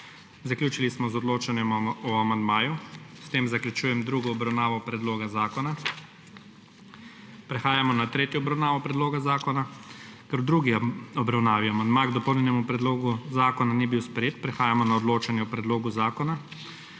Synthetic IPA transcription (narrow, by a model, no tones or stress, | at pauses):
zakljuːt͡ʃilismɔzɔd̪loːt͡ʃanjɛmɔamand̪maːjust̪eːmzakljut͡ʃuːjɛmd̪ɾuːɡɔːbɾawnaːʋɔpɾɛd̪loːɡazaːkɔna | pɾɛxaːjamɔnat̪ɾeːt̪jɔɔbɾawnaːʋɔpɾɛd̪loːɡazaːkɔnakɛɾd̪ɾuɡiɔbɾawnaːʋiɔamand̪maɡd̪ɔpɔwnʲɛnɛmupɾɛd̪loːɡuzaːkɔnanibiwspɾɛjeːt̪̚pɾɛxaːjamɔnaɔd̪loːt͡ʃanjɛɔpɾɛd̪loːɡuzaːkɔna